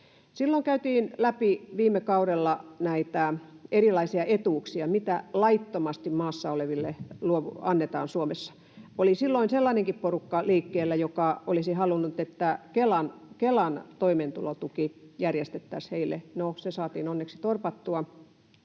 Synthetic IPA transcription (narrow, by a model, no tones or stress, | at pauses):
silːoiŋkæyt̪iːnlæpiʋiːmːekɑuɾelːɑnæit̪æerilɑisiɑʔet̪uːksiɑmit̪ælɑit̪ːomɑst̪immɑːsːɑoleʋilːeluoʋuɑnːet̪ɑ̰ːnsuomesːɑ̥ | olisilːoinselːɑːneŋkipporukːɑliːkːeːlːæjokɑolisihɑlunːut̪et̪ːækelɑnkelɑnt̪oiment̪ulot̪ukijærjest̪et̪ːæsheilːˑḛnosesɑːt̪ḭːnonːeksi̥t̪orpɑt̪ːuɑ